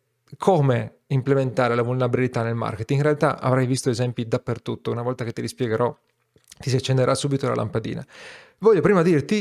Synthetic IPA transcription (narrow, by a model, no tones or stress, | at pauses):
kʰoːme | implement̪aːɾelavulnabilit̪anːelma̰rket̪iinrɾealt̪aʔa̰vɾajvist̪oezɛmpid̪apːert̪ut̪ːounavɔlt̪aket̪ːilispjɛɡeɾʔɔ | t̪isiat͡ʃːend̪eɾʔasːuːbit̪ola̰lʔa̰mpad̪ḭːna̰ | vɔʎːopɾiːmad̪irt̪i